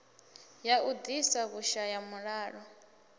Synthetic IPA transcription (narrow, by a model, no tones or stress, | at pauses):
jaud̪isaɣuʃajamuɺaːɺɔ